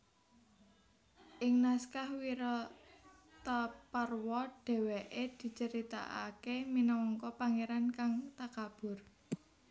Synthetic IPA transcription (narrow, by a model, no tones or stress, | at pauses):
ʔɪŋnaskahwiɾɔ | t̪aparwɔɖ̥ɛ̤weʔed̪̥i̤t͡ʃəɾit̪a̰ʔa̰keminɔwɔŋkɔpaŋeɾankaŋt̪akab̥ʊ̤r